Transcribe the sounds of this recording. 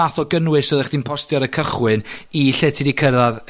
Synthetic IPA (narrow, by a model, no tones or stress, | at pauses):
aθɔɡənwɨsɔðɛχd̥iːnpʰɔstjɔɾəkʰəχwɨniɬɛtʰidikʰəɾað